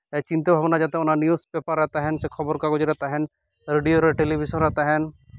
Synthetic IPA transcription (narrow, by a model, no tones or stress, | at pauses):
t͡ʃɪ̃nt̪ebʱaʋnad͡ʒaːt̪eɦʊnanjuspeːpəɾːɛɦt̪aɦɛnsekʰɐbəɾkaɡʊd͡ʒɾɛɦt̪aɦɛn | ɾeɖijoɾʈeːlibiʃənɾɛɦt̪aɦɛn